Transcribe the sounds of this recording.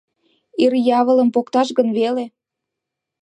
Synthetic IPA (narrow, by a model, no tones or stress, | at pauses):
irjɑβə̆ləmpokt̪ɑʃɣənβele